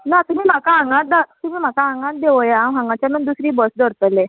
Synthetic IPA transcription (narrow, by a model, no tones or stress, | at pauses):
nat̪um̤iːm̤akaɦãŋɡãt̪̚d̪at̪um̤iːm̤akaɦãŋɡãt̪̚d̪eʋəjaːmɦãŋɡãt͡ɕjanund̪usɾiːbəsd̪əɾt̪əlɛ̃